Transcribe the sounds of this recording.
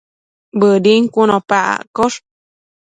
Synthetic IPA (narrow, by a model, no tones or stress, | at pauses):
bədiŋkunõpaʔa̰ʔkoʂ